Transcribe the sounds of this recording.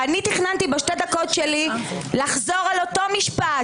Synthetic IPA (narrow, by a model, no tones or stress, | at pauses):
anit̪iχnant̪ibeʃted̪ako̞tʃelilaχzo̞ʁalo̞t̪o̞miʃpa